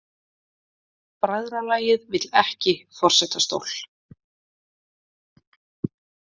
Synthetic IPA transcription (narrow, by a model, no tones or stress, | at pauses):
pɾaðɾalaːjɪðvɪt̪lɛhcɪfɔr̥sɛt̪ast̪o̰wl̥